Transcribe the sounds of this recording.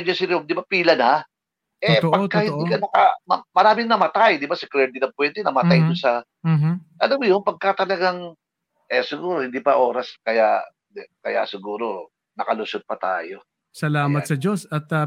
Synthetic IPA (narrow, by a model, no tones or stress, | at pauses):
d͡ʒɐsɪɾomd̪ɪbapiːlɐnha | ʔɛpɐt̪kːɐhɪnd̪iːkɐnɐkɐ̰ɐmɐɾaːmɪŋnɐmɐt̪ajd̪ɪbasɪkɾɛɾd̪ɪnɐŋpʊwɛnt̪ɛnɐmɐt̪ajd̪ʊnsɐ | ʔɐlamjonpɐɡ̚kat̪ɐlɐɡaŋ | ʔɛsɪɡuːɾohɪnd̪iːpɐʔo̞ːɾɐskɐja | ɛkɐja̰sɪɡuːɾo̞ | nɐkɐlʊsod̪̚pɐt̪a̰ːjo̞ | sɐlaːmɐt̪sɐd͡ʒosɐt̪ɐ